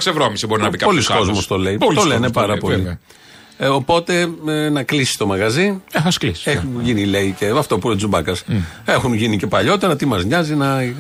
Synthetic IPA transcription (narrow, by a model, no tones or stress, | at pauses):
ɐksevɾomisibo̞ɾinɐvikɐpo̞lisko̞zmost̪o̞le̞it̪oleneppɐɾɐpo̞li | o̞po̞t̪e̞nɐklisi̥st̪o̞mɐɣɐzieθɐskliseunʝinile̞iceɐft̪opuɾozubɐkɐse̞xunʝinice̞pɐʎo̞t̪e̞ɾɐt̪imɐzɲɐzinɐ